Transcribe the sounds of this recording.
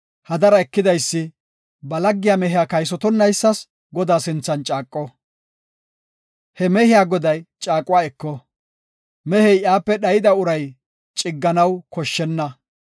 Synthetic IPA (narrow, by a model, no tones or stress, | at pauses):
hɐd̪ɐɾɐɛkːɪd̪ɐjsːɪ | bɐlɐɡːɪjaːmɛɦɪjaːkɐjs̬ɔt̪ɔnːɐjsːɐs | ɡɔd̪aːsɪnt͡sːɐnt͡ʃʼaːkʼːɔ | hɛmɛhɪjaːɡɔd̪ɐjt͡ʃʼaːkʼʊwaːɛkːɔ | mɛhɛjjaːpːɛɗɐjɪd̪ɐʊɾɐj | t͡ʃʼɪɡːɐnɐwkɔʃːɛnːɐ